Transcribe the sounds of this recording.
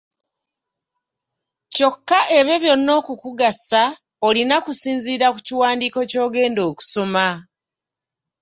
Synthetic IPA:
co̞kːaʔe̞βe̞βjo̞nːo̞ːkukuɡasa | olinakusiːnziːɾaku̥ciwaːndiːko̞co̞ːɡe̞ːndo̞ːku̥so̞ma

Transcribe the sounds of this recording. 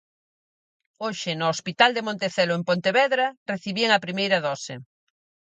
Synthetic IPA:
oʃɪnoospit̪ald̪emõnt̪eθɛloempont̪eβɛðɾɐreθiβieŋɐpɾimejɾɐðɔsɪ̰

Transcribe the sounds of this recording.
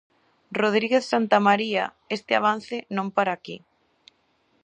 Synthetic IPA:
roð̞ɾiɣeθsant̪amaɾia̰ | est̪ɪaβ̞an̟θɪnõmpaɾaːkḭ

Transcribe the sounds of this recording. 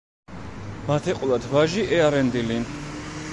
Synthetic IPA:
mat̪ʰɛqʼwlˠad̪ʰvaʒiʔɛaɾɛnd̪ili

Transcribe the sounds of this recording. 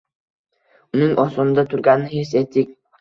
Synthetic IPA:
ʊnɪŋʔɒsɔnɪd̪at̪ʰʊɾɡʲanːɪhes̬et̪ʰːɪk̚ʲ

